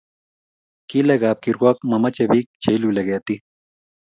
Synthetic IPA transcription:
kilɐɡaːp̚kiɾuaːkmɐmɐt͡ɕɐbik̚t͡ɕʰejluleɡet̪i

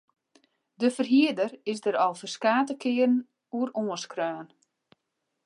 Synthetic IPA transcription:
dəfərɦiədərɪsdəɾɔlˠfərskaːtəkɪːərn | uəɾoːəskrœːn

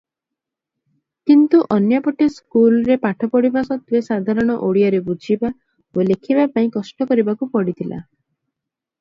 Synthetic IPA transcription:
kint̪uʔɔnjɔpɔʈeskulɔɾepaʈʰɔpɔɽibasɔt̪wesad̪ʱaɾɔɽ̃ɔʔoɽijɔɾebud͡ʒʱiba | olekʰibapaĩkɔsʈɔkɔɾibakupɔɽit̪ʰilʔa̰

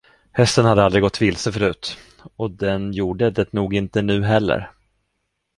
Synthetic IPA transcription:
hɛst̪ənhad̪ːəald̪ɾɪɡɔt̪ːvɪlsəfœɾʉ̟ːt̪ | ɔd̪ɛnjuːɖəd̪ɛt̪nuːɡɪnt̪ənʉ̟ːɦɛlːə̰ɾ

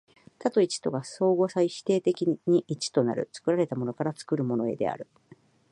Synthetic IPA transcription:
t̪at̪o̞it͡ɕi̥t̪o̞ɡaso̞ːɡo̞saiɕi̥t̪e̞ːt̪e̞kʲiɲ̟iʔit͡ɕi̥t̪o̞na̰ɾɯ̟̰t͡sɨ̥kɯ̟ɾaɾe̞t̪amo̞no̞kaɾat͡sɨ̥kɯ̟ɾɯ̟mo̞no̞e̞̰d̪e̞̰a̰ɾɯ̟

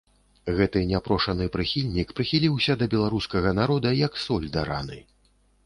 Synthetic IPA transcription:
ɣɛt̪ɨnʲapɾɔʂɐnɨpɾɨxʲilʲnʲikpɾɨxʲilʲiwsʲɐd̪ɐbʲɛlˠaɾuskɐɣɐnaɾɔd̪ɐjɐksɔlʲd̪ɐɾa̰nɨ̰

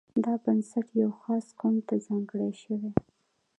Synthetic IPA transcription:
d̪ɑbansaʈjawxɑsqumt̪azɑŋɡɽeʃəwe

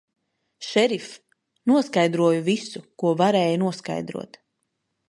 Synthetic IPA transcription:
ʃɛɾif | nuɔskajd̪ɾuɔjuvisukuɔvaɾɛːjunuɔska̰jd̪ɾṵɔt̪

